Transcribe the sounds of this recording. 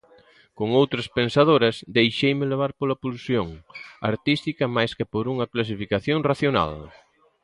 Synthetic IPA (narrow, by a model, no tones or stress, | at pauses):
koŋowt̪ɾɐspensaðoɾɐsd̪ejʃejmɪleβaɾpolɐpulsjoŋa̰ɾt̪ist̪ikɐmajskɪpoɾuŋɐklas̬ifikaθjoŋraθjona̰l